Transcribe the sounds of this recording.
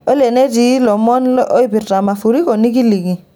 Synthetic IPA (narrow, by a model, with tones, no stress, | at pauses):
ɔ˦le˨ne˦di˨˦lɔ˨mɔ˦nlʔo˦i˦bi˨ta˨ma˨fu˨ɾi˦kɔ˨ni˦k̬i˦li˨ɡi˨